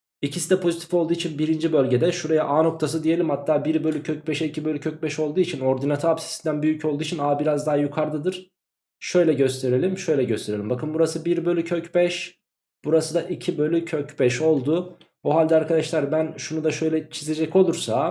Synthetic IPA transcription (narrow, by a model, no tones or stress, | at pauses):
icʰisid̪ɛpʰo̞zit̪ʰi̥fo̞lˠd̪uːit͡ʃʰinbiɾind͡ʒibølʲɟe̞d̪ɛʃuɾajaʔaːno̞k̚t̪ʰas̬ɯd̪ije̞lʲimhat̪ʰːaːbiɾbø̞lʲycʰøc̚bɛʃɛicʰibø̞lʲycʰøc̚bɛʃo̞lˠd̪uːit͡ʃʰino̞ɾd̪inat̪ʰaapsi̥sind̪ænbyjycʰo̞lˠuːit͡ʃʰinaːbiɾazd̪aɦajukʰaɾd̪ɯd̪ɯɾ̥ | ʃø̞jlʲɛɟøst̪ʰe̞ɾe̞lʲimʃø̞jlʲɛɟøst̪ʰe̞ɾelʲimbakɯnbuɾasɯbiɾbø̞lʲycʰøcbɛʃ | b̥uɾasɯd̪aʔicʰibø̞lʲycʰøcbɛʃo̞lˠd̪ʊ | uɦalʲd̪ɛaɾkʰad̪aʃlˠaɾbænʃunud̪aʃø̞jlʲɛt͡ʃʰize̞d͡ʒɛco̞lˠuɾsa